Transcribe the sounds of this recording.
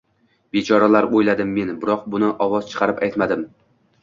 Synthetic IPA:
b̥et͡ʃʰɒɾalaɾojlad̪ɪmːe̞nbɪɾɒq̚bʊnɪʔɒwɒzt͡ʃʰɨ̥qʰɑɾɪpajt̪mad̪ɪm

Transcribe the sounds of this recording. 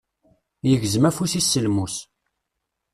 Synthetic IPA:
jəʝzəmæfusisːəlmus

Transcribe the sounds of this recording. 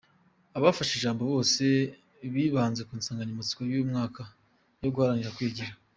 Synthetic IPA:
aβafaʃeʒaːmbo̞βo̞ːse̞ | βiːβaːnze̞kuːnsaːŋɡaɲimut͡si̥kojuːmŋaːka | jo̞ɡuhaɾaniɾakwiːɟiɾa

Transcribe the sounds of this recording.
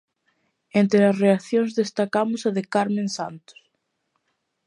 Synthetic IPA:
ent̪ɾeɐsreaθjoŋzðest̪akamʊsaðɪkaɾmẽnsant̪ʊ̥s

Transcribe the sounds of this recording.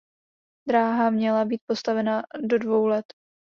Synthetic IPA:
d̪ɾaːɦamɲɛlabiːt̪̚po̞st̪avɛnado̞dvo̞wlɛt̪

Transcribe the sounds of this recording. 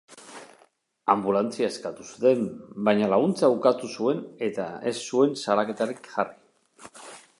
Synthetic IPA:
ambulant͡siae̞skat̪usut̪e̞mbajɲalaɣ̞unt͡saukat̪usue̞ne̞t̪ae̞sːue̞nsaɾake̞t̪aɾikʝari

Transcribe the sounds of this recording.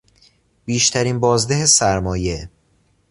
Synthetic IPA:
b̥iːʃt̪ʰæɾiːnbɒːzd̪eɦesæɾmɒːje̞

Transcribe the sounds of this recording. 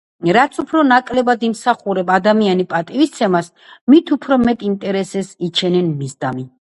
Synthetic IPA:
ɾat̪sʰupʰɾɔnakʼlɛbad̪imsaχuɾɛbad̪amianipʼat̪ʼivist̪sʰɛmas | mit̪ʰupʰɾɔmɛt̪ʼint̪ʼɛɾɛsɛsit͡ʃʰɛnɛnmizd̪ami

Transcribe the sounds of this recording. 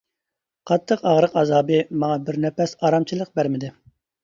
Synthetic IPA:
qʰɑt̪ʰːəqɑʁɾəqɑzɑːbɨmɑŋɑbɪɾnɛpɛsɑːɾɑmt͡ʃʰɨlˠəq̚bæɾmɪd̪ɪ

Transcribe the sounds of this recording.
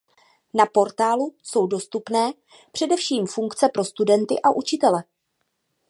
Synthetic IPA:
napo̞ɾt̪aːluso̞wdo̞st̪upnɛː | pr̝̥ɛdɛfʃiːmfuŋkt͡sɛpɾo̞st̪udɛnt̪ɪ̰ʔaʔut͡ʃɪt̪ɛlɛ

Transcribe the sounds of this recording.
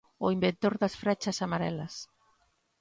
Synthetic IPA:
ʊimbent̪oɾðɐsfɾɛt͡ʃɐsamaɾɛ̰lɐs

